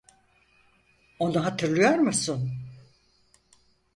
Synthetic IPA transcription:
o̞nuɦat̪ʰɯɾlˠɯjoɾmɯsun

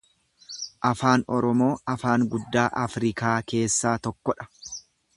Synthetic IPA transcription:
ʔɐfaːnɔɾɔmo̞ːɐfaːŋɡʊd̪ːaːʔɐfɾɪkaːke̞ːsːaːt̪ɔkːɔᶑɐ̥

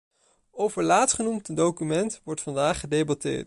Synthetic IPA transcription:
owvəɹlaːtχənumtdowkymɛntʋɔɹtfɑndaːχədejbɑtɪ̰ːɹt

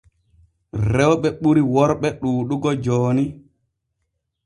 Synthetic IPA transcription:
ɾɛwɓɛɓuɾiwɔɾɓɛɗuːɗuɡɔd͡ʒoːni

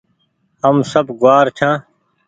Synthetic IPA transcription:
ɐmsɐbɡʊwaːɾt͡ɕʰãː

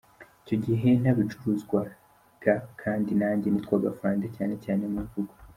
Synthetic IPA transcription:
ico̞ɟiɦe̞n̥aβit͡ʃuɾuzɡwa | ɡ̥akʰaːndinaːɲɟenit̪kwaːɡafaːndecaːne̞caːne̞muivuɡu̥

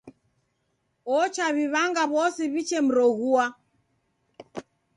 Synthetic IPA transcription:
ɔt͡ʃaβiβaŋɡaβɔsiβit͡ʃɛm̩ɾɔɣua

